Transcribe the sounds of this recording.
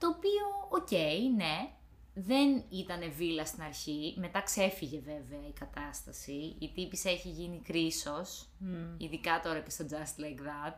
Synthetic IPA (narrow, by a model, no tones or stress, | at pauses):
t̪o̞ːpio̞oce̞jne̞ | ðe̞nit̪ɐne̞vilɐst̪inɐɾçime̞t̪ɐkse̞fiʝe̞ve̞veɐikɐt̪ɐst̪ɐsiit̪ipise̞çiʝinikɾiso̞s | iðikɐt̪o̞ɾɐcest̪o̞d͡zɐst̪lekðɐd̪̚